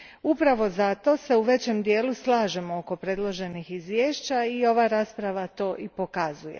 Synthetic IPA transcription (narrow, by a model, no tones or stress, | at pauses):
upɾaʋo̞zat̪o̞se̞uʋe̞t͡ɕe̞md̪je̞ːluslˠaːʒe̞mooko̞pɾe̞ːd̪lˠo̞ʒe̞nixizʋjeːʃt͡ɕaio̞ʋaɾaːspɾaʋat̪o̞ːʔipo̞kazuje